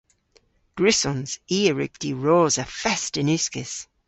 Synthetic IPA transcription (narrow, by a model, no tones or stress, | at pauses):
ɡ̥ɹɪsɔ̃nz̥iːəɹɪ̰k̚d̥iɹoːzəfɛstɪnʉskɪs